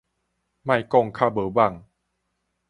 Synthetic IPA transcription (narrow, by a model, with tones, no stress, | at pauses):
ma˧˩jkɔ˧˩˨ŋkʰaː˧˩bɤː˨˦ba˧˩ŋ